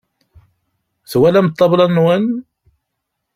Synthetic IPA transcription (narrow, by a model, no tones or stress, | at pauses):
θwælæmət̪ˤːɑblɑnwən